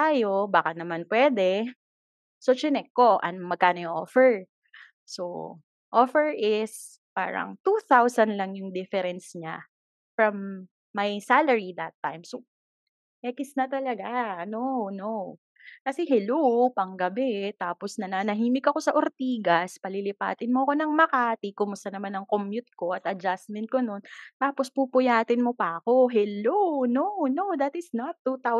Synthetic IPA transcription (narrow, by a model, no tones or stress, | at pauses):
t̪aːjo̞baːkɐnɐmanpwɛːd̪ɛ | sot͡ʃɪnɛkːo̞ʔɐ̰nmɐɡ̚kaːnojʊŋʔofɛɹ | so̰ | ʔofɛɹʔɪs | pa̰ːɾɐ̰ŋt̪uθawsɐnlɐŋjʊŋd̪ɪfɛɾɛnsɲa | fɹɐmː | ɐjsalɛɹid̪ɐt̪ːajmso | mɛkɪsnɐt̪ɐlɐɡaɐnono | kɐsɛɦɛlopɐŋɡɐbɛt̪aːposnɐnaːnɐɦiːmɪkɐko̞sɐʔoɾt̪iːɡɐspɐlɪlɪpa̰ːt̪ɪnmoɐko̞nɐŋmɐkaːt̪ikʊmʊst̪ɐnɐmanɐŋkomjʊt̪̚ko̞ʔɐt̪ɐd͡ʒasmɛnt̪̚ko̞nont̪aːpospupʊjaːt̪ɪnmopɐʔɐko̞ɦɛlononod̪ɐt̪ɪsnɐt̪ːut̪aw